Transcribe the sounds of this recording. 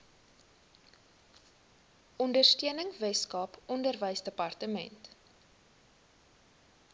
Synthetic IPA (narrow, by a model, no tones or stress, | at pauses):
ʔɔndərstiənəŋvɛskɑːpɔndərvəjsdəpɐrtəmɛ̰nt